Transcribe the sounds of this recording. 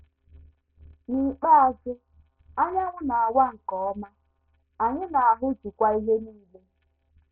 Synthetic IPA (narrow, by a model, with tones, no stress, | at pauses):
ni˨k͡pa˦a˨d͡ʒɪ˦ | a˦ɲ˦a˦ŋʊ˦na˨a˨wa˦ŋ̩˨kɔ˨ɔ˦ma˦ | a˨ɲɪ˦na˨a˨ɦʊ˦d͡ʒu˨kʷa˦i˦ɦe˦niː˦le˦